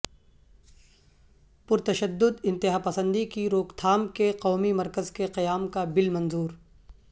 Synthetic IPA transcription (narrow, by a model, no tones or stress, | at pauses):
pʊɾt̪ɐʃəd̪ːʊd̪ɪ̃nt̪ɪɦaːpɐsə̃nd̪ikiɾoːkt̪ʰaːmkeqɔːmimɐɾkəzkeqɐjaːmkabɪlmɐ̃nzuːɾ